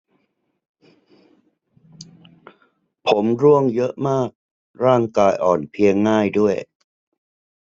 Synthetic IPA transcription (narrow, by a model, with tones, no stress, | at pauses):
pʰo˩˦mɾu˧˥əŋjɤ˦˥ʔmaː˥˩k̚ | ɾaː˥˩ŋkaː˧jʔɔː˨˩npʰi˧əŋːaː˥˩jdu˥˩əj